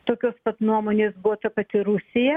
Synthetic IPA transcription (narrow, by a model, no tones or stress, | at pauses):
t̪oːkʲoːskɐt̪nuɔmoːnʲeːsbʊʋot̪ɐpɐt̪ʲɪɾʊsʲɪjɛ